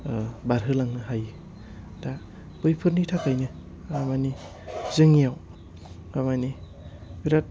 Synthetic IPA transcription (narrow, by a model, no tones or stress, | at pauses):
baɾɦɯlaŋnɯɦajɯ | da | b̥ɯjpʰɯɾnitʰakajnɯ | amani | zɯŋijaw | amani | biɾat̚